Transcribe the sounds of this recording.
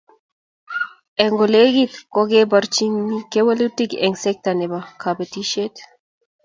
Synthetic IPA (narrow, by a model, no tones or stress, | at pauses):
ɛŋɡoleɡit̪kɔɡebaɾt͡ʃiŋnikewəlutikɛ̰ŋsɛk̚t̪anɛbakʰabet̪iʃet̪